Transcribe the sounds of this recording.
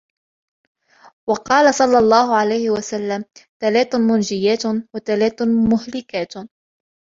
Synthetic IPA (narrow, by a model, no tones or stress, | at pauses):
wɑqɑːlasˤɑlːɑlˤːɑːhʊʕalajhɪwasalːamt̪alaːt̪mʊnd͡ʒɪjːaːt̪wat̪alaːt̪mʊhlɪkaːt̪